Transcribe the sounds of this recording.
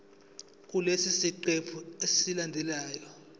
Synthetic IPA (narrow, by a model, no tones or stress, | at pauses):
k̬ʼulesisiǃepʰuessilandʱɛlaːjɔ